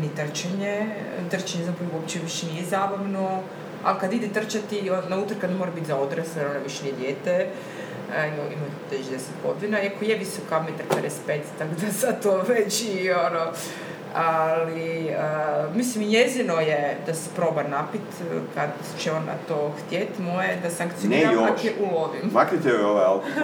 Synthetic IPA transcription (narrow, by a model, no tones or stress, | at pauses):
nit̪r̩t͡ʃaɲet̪r̩t͡ʃaɲezapouopt͡ɕeʋiʃenijezaːbaʋno | a̰likad̪id̪et̪r̩t͡ʃat̪ionnaut̪rɾkad̪nemoɾabit̪zaod̪ɾesaɾonaʋiʃenijed̪jeːt̪e | imaḭma | t̪et͡ʃd̪eset̪ɡo̞d̪inaiakojeʋisokamet̪aɾped̪espet̪st̪akd̪asat̪oʋet͡ɕiono | aliəmislimiɲezino̞jed̪ase̥pɾo̞ːbanapit̪kad̪ | t͡ʃeona̰t̪oxt̪jet̪mojed̪asaŋkt̪sioniɾaak̪eʔulˠoʋimmakit̪eo